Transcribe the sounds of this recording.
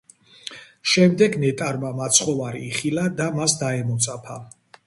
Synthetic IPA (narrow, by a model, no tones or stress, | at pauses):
ʃɛmd̪ɛɡnɛt̪ʼaɾmamat̪sʰχɔvaɾiːχilad̪amasd̪aɛmɔt̪sʼapʰa